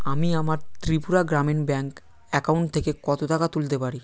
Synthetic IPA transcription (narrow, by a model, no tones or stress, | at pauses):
amiamaɾt̪ɾipuɾaɡɾamenbɛŋk | ɛkauɳʈt̪ʰekekɔt̪ot̪akat̪ult̪epaɾi